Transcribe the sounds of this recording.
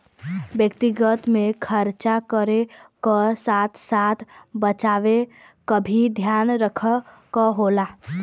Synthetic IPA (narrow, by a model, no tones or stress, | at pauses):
bjəkt̪iɡət̪mẽkʰəɾt͡ʃakəɾekəsaːt̪ʰsaːt̪ʰbət͡ʃaːʋe | kəbʱid̪ʱjaːnɾəkʰə | kəɦoːlaː